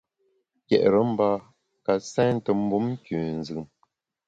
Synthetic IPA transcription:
kɛ̰˨ʔɾə˨˦m̩˦ba˦ | ka˨sɛ̃ː˦n̩˦tə˨m̩˦bu˦m̩˦kʉ˨n̩˨zɯ˨m

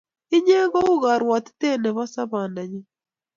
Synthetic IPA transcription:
i˦ɲe˦ɣo˦u˦ɣa˨ɾwa˨ti̥˦te˦nɛ˨βa˦sa˦βaː˨nda˨ɲi˦

